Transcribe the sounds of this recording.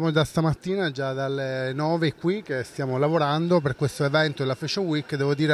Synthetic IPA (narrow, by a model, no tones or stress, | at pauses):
amod͡ʒast̪amat̪ːiːnad͡ʒad̪alːenɔːveːkːwik̟ːest̪jaːmolavoɾand̪operkwest̪oevɛnt̪olafet͡ʃowikːd̪ɛːvod̪iːɾe